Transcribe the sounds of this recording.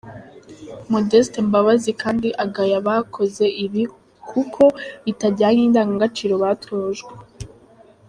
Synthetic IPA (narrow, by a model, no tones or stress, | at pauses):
modestembaβazikʰaːndiʔaɡajaβakʰo̞ze̞ʔiβi | kʰukʰo̞itaɾɟaːɲindaːŋɡaŋɡat͡ʃiɾo̞βatʰoːʒɡwe